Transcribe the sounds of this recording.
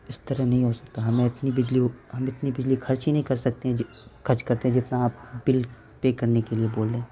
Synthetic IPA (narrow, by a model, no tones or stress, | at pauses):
ɪst̪əɾəɦnɐɦĩɦosɐ̥k̚t̪aɦɐmẽɪt̪nibɪd͡ʒliɦɐmɪt̪nibɪd͡ʒlikʰɐɾt͡ʃɦinɐɦĩkɐɾsɐk̚t̪eɦɛ̃d͡ʒ | kʰɐɾt͡ʃkɐɾt̪eɦɛ̃d͡ʒɪt̪naaːp̚bɪl | pekɐɾnekelieboːlːẽː